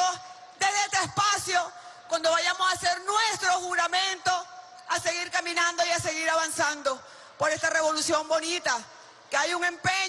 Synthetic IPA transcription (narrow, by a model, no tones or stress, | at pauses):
o | d̪eɦðeest̪eespasjo̞ | kwand̪o̞βaʝamosase̞ɾnwest̪ɾo̞xuɣɾamẽ̞nt̪o̞ | ase̞ɣiɾkamĩnãnd̪o̞jase̞ɣiɾaβansand̪o̞ | po̞ɾe̞st̪are̞βo̞lusjo̞mbo̞nit̪a | keajuŋe̞mpeɲ